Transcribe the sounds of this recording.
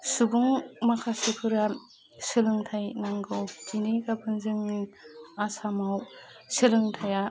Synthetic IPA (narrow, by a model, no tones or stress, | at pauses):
subuŋmakʰasukʰɯɾa | sɯlɯŋtʰajnaŋɡɯwd͡ʒinikabɯnzɯŋniasamaw | sɯlɯŋtʰaja